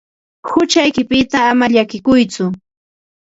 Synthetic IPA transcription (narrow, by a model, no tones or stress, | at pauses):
hʊt͡ʃajkɪpɪt̪aːmaʎakɪkʊjt͡sʊ